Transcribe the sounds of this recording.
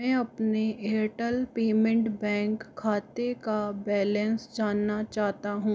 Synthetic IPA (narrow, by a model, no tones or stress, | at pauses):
ɛ̃ːɐpneeːɾʈəlpeːmə̃ɳʈbɛ̃ːŋkʰːaːt̪ekabɛːlɛ̃nsd͡ʒaːnːat͡ʃaːɦt̪aɦũː